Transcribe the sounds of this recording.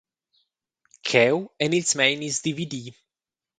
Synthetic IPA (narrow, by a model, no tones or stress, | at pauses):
kʰɛwɛ̃nitsmẽɪ̃nizd̪ividi